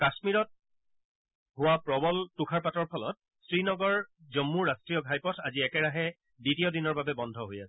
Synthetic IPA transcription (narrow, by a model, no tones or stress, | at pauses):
kasmiɹɔt̚ | ɦʊwapɹɔbɔltukʰaɹpatɔɹpʰɔlɔ̰t̚ | sɹinɔɡɔɹzɔmːuːastɹijɔɡʱajpɔtʰaziɛkɛɹaɦɛ | ditiɔdinɔɹbabɛbɔndʱɔɦojasɛ